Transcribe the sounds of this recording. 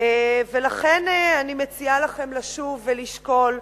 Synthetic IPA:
evelaχeneanimet͡sialaχe̞mlaʃuvːeliʃko̞l

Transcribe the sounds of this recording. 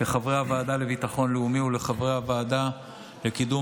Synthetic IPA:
leχavʁehavaːdale̞vitaχo̞nleumiule̞χavʁehavaːda | lekid̪u

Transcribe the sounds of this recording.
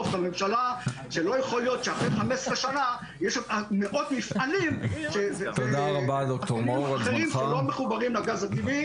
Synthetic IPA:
oftamemʃalaʃelo̞jeχoljo̞t̪ʃeaχʁeχamesʁeʃana | jɛʃameʔo̞d̪mifʔalimʃezzt̪od̪aʁabad̪ok̚t̪omouaχeʁimʃelomeχubaʁimlaɡazat̪ivi

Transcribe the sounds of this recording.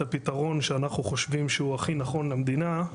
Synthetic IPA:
apit̪aʁo̞nʃeanaχnuχo̞ʃvimʃehuaχinaχo̞nlamd̪ina

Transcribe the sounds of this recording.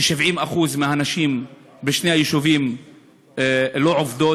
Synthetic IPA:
eʃivʕimaχuzmeanaʃim | beʃnehajeʃuvim | lo̞ʕovd̪o

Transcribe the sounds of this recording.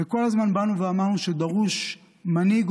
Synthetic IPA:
eko̞lazmanbanuveamaʁnuʃed̪aʁuʃ | maniɡ

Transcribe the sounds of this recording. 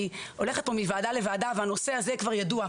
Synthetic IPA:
io̞le̞χet̚po̞mivaːd̪alevaːd̪aveano̞se̞azekvaʁjadua

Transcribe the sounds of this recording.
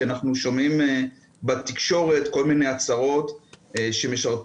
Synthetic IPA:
anaχnuʃomim | bat̪ikʃo̞ʁe̞t̪ko̞lmine̞jat͡saʁo̞t̪ʃe̞meʃaʁt

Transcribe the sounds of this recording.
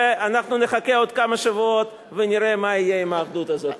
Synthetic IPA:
anaχnuneχakeod̪kamaʃavuot̪ | veniɾemaijeimaːχd̪ut̪azot̪

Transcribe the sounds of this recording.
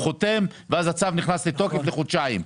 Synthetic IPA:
χot̪emveazat͡savniχnaslet̪o̞kefleχod̪ʃaim

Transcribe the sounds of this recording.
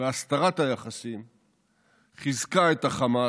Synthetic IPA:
east̪aʁat̪ajaχasim | χizkaet̪aχama

